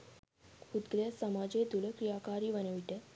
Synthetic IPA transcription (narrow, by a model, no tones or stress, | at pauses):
hud̪ɡlasəmad͡ʑed̪uləkɾijakaɾiːʋənəʋiʈ̪e